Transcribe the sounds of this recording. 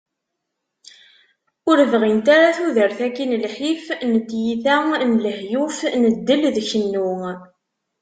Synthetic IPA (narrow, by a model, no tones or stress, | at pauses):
ʊɾəvʁint̪aɾaθuðəɾθækːinlħifnət̪ːjiθænləhjufnəd̪ːəlðçənːu